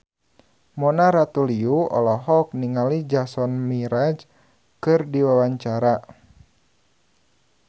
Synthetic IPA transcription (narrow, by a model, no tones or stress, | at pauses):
mɔnaɾat̪uliuɔ̰lɔɦɔk̚niŋalid͡ʒasɔnmiɾad͡ʒ | kɨrdiwawaɲt͡ʃaɾa